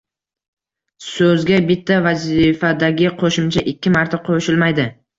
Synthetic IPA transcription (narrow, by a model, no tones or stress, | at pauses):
sɵzɡʲabɪt̪ʰːavazɪfad̪aɡʲɪqʰoʃɪmt͡ʃʰaʔɪkʲːɪmaɾt̪ʰaqʰoʃɪlmajd̪ɪ